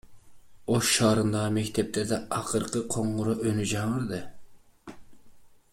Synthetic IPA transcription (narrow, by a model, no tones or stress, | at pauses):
oʃʃɑːɾɨnd̪ɑmɛkʲt̪ʰɛp̚t̪ʰɛd̪ɛɑqʰəɾqʰəqʰoɴʁʊɾɑʔønyd͡ʒɑŋəɾd̪ɨ